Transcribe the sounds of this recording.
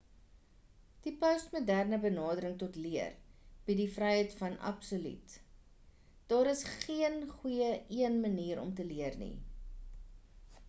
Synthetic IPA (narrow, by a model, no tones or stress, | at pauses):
d̥ipœstmudærnəbənɑːdəɾəŋtɔtliərb̥idifrɛjɦəjtfɐnʔɐ̰psoly̰t | d̥ɑːɾəsχiənχujəiənməniːɾɔ̰mtəliərnḭ